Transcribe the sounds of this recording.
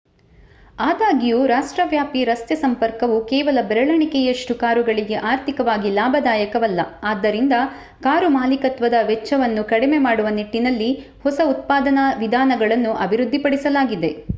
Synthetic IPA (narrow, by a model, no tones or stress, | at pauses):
aːd̪aːɡijuːɾaːʂʈɾɐʋjaːpiɾɐst̪jɐsɐmpɐɾkɐʋukɛːʋɐlɐbɾɐɭɐɳikɛjɐʂʈukaːɾuɡɐɭiɡe̞ʔaːɾt̪ʰikɐʋaːɡilaːbʱɐd̪aːjɐkɐʋɐlːɐaːd̪ːɐɾind̪ɐ | kaːɾumaːlikɐt̪ʋɐd̪ɐʋɛt͡ʃːɐʋɐnːukɐɽimemaːɽuʋɐniʈːinɐlːi | hɔsɐut̪̚paːd̪ɐnɐʋid̪ʱaːnɐɡɐɭɐnːuʔɐbʱiɾud̪ʱːipɐɽisɐlaːɡid̪e̞